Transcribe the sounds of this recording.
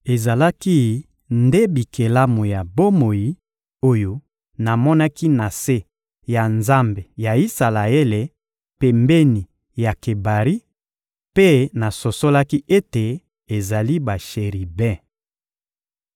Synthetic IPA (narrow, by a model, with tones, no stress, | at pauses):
e˨za˨la˦ki˦ | nde˦bi˨ke˨la˦mo˨ja˨bo˦mo˨ji˦ | o˦jo˦ | na˨mɔ˦na˦ki˦na˨se˦ | ja˨nza˦mbe˨ja˨i˦sa˨la˨e˦le˨ | pe˨mbe˦ni˨ | ja˨ke˨ba˨ʁi˦ | pe˦na˨so˨so˦la˦ki˦ʔe˦te˨ | e˨za˨li˦ba˨ʃe˨ʁi˨bɛ̃˦